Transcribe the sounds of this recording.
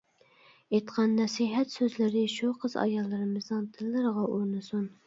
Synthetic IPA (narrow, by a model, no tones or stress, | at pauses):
et̪qʰɑnːɛsiɦɛt̪søzlɪɾɪʃuqʰəzɑ̰jɑlˠːɨɾɨmɨznɨnt̪ʰɪlːɨɾəʁɑʔuɾnɨsun